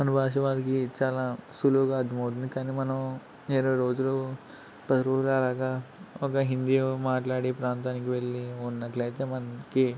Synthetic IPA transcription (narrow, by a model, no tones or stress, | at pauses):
ɐnubʱaːʂɐʋaːlɐkit͡ʃaːlaːsuloːɡaːɐd̪ʱɐmɐwt̪̬und̪ikaːnimɐnɐm | eːɾoːɾo̞ːd͡ʒuloː | pɐt̪ɐɾoːd͡ʒulɐlaːɡaɔkɐɦind̪ijoːmaːʈlaːɽipɾaːnt̪aːnikiʋe̞ɭːiunːɐʈlɐjit̪eːmɐnɐki